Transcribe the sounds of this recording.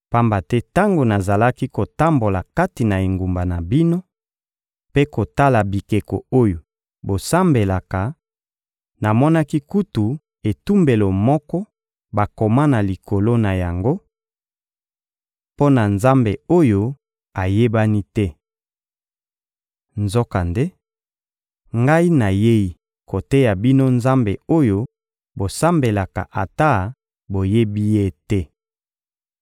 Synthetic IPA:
pa˦mba˨tɛ˦ta˦ŋɡo˨na˨za˨la˦ki˦ko˨ta˦mbo˨la˨ka˦ti˨na˨e˨ŋɡu˨mba˨na˨bi˦no˦ | pe˦ko˨ta˦la˨bi˨ke˨ko̰˨o˦jo˨ | bo˨sa˦mbe˨la˨ka˨ | na˨mɔ˦na˦ki˦ku˦tu˨ | e˨tu˦mbe˨lo˨mɔ˦kɔ˦ | ba˨ko˨ma˦na˨li˨ko˨lo˦na˨ja˨ŋɡo˦ | po˦na˨nza˦mbe˨o˦jo˦ | a˨je˦ba˦ni˦tɛ˦ | nzo˦ka˨nde˦ | ŋɡa˦i˦na˨je˦i˦ | ko˨te˦ja˨bi˦no˦nza˦mbe˨o˦jo˦ | bo˨sa˦mbe˨la˨ka̰˨ʔa˨ta˦˨ | bo˨je˦bi˦je˦tɛ˦

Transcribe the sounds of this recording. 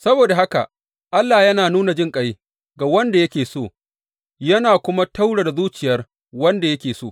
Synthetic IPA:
sɐ˦boː˨da˨ɦa˦ka̰˨ | ʔa˦lːaː˨jɐ˦naː˨nuː˦na˨d͡ʒɪ˦ŋkʼɐ˦j | ɡa˨wɐ˦nda˨jɐ˦kʲeː˨soː˦˨ | jɐ˦naː˨kʷʊ˦ma˦ta˦wɽe˨da˨zuː˦t͡ʃɪ˨jɐ˦r | wɐ˦nda˨jɐ˦kʲeː˨soː˦˨

